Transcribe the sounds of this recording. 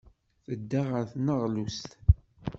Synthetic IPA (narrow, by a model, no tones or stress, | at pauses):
θəd̪ːaʁəɾθnəʁlust̪